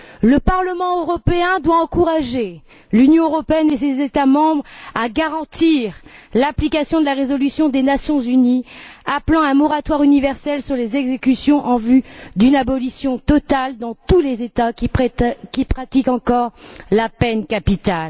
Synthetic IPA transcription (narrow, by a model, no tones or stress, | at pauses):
ləpaʁləmɑ̃øʁɔpeɛ̃d̪waɑ̃kuʁaʒe | lynjɔ̃øʁɔpeɛnesezet̪amɑ̃bʁaɡaʁɑ̃t̪iʁlaplikasjɔ̃d̪əlaʁezɔlysjɔ̃d̪enasjɔ̃zyniaplɑ̃ɛ̃mɔʁat̪waʁynivɛʁsɛlsyʁlezɛɡzekʲysjɔ̃ʔɑ̃vyd̪ynabɔlisjɔ̃t̪ɔt̪ald̪ɑ̃t̪uleza | kʲipχat̪ikɑ̃kɔʁlapɛnkapit̪al